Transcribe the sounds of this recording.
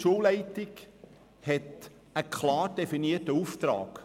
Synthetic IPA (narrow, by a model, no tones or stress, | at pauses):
ʃuːllɛɪtɪk | hɛt | əkχlɑːɾd̥efiniətəuft̪rɑ̰ːk